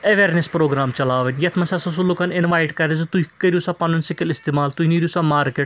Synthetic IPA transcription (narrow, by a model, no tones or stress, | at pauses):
ɐʋeːɾnespɾoːɡɾaːmt͡ʃɐlaːʋɐnʲjɐt̪ʰmɐsɐsɐsulukɐnɪnʋaːjʈkɐɾezt̪uɦikːɐɾjusapɐnɐnsikilɪst̪eːmaːlt̪uɦiniɾisamaːɾkeʈ